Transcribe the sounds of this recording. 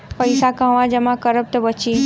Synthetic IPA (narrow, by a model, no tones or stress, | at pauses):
pəjsakə̃ʋãd͡ʒəmãkəɾəp̚t̪əbət͡ʃi